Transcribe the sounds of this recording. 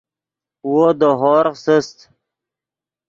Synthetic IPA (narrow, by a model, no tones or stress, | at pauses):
wod̪oɦoɾqsəst̪